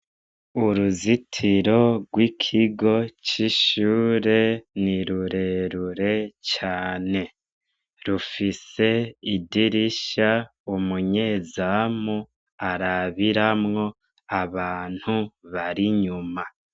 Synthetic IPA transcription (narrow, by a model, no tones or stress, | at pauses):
uɾuzitʰiɾo̞ɡwikʰiɡo̞t͡ʃiʃuːɾe̞niɾuɾe̞ɾuɾe̞t͡ʃaːne̞ | ɾufise̞idiɾiʃa | umuɲe̞zamu | aɾaβiɾamŋo̞ | aβaːn̥huβaɾiɲuma